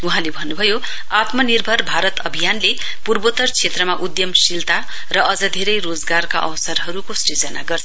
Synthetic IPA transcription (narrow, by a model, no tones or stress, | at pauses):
uɦãlebʱʌnːubʱʌjo | at̪mʌnirbʱʌrbʱaɾʌt̪ʌbʱijanle | purbot̪ʌrt͡sʰet̪rʌmaʔud̪jʌmsilt̪a | rʌʔʌd͡zʌd̪ʱeɾʌjrod͡zɡarka̰ʔʌ̰wsʌrɦʌɾukosid͡zʌna̰ɡʌrt͡sʰ